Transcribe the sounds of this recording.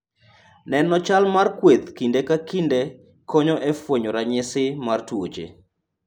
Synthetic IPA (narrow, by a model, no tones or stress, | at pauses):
nɛnɔt͡ʃalmarkwed̪kindekakinde | kɔɲɔʔɛfwoɲɔɾaɲɪsɪmartwod͡ʒḛ